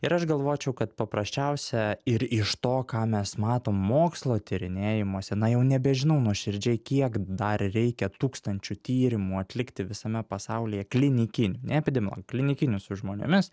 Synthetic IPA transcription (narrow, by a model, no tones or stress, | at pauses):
ɪɾɐʃɡɐlˠʋoːjt͡ʃʲɛʊkɐt̪pɐpɾɐsʲt͡ʃʲɛʊsʲɛɪɾɪʃt̪oːkɑːmʲɛsmɑːt̪oːmːoːkslˠoːt̪ʲɪɾʲɪnʲeːjɪmuɔsʲɛnɐjɛʊnʲɛbʲɛʒʲɪnɐʊnuɔʃʲɪɾʲd͡ʒʲɛɪkʲiɛkd̪ɐrɾʲɛɪkʲɛt̪uːkst̪ɐnʲt͡ʃʲut̪ʲiːɾʲɪmuːɐt̪ʲlʲɪkt̪ʲɪʋʲɪsɐmʲɛpɐsɑʊlʲɪːjɛklʲɪnʲɪkʲɪnʲʊnʲɛɛpʲɪd̪ʲɛmʲɪlˠo̰ɡklʲɪnʲɪkʲɪnʲʊsʊʒmoːnʲɪ̰mʲɪs